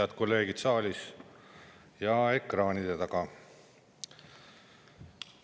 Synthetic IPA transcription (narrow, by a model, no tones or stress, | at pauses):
ɑd̪ko̞lːe̞ːɡ̥id̪̥sɑːlʲis | jɑe̞krɑːnid̪̥et̪ɑɡ̥ɑ